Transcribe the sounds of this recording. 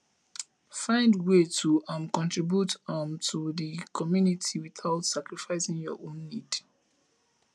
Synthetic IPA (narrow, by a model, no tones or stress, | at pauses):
fãɪ̃ndwetʰuãmkɔ̃ntɹibjutãmtʰuðikʰɔmjunitʰiwiθaʊtsakɹifaɪsĩŋjɔ̰ʔõnːid